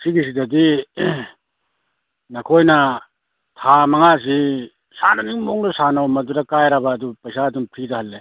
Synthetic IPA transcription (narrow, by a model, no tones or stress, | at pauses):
siɡis̬idɐdi | nɐkʰojnɐ | tʰamɐŋas̬i | sanɐniŋmoŋdɐsanɐwmɐduɾɐkajɾɐbɐːdupɐjsaduŋpʰɾidɐhɐlːe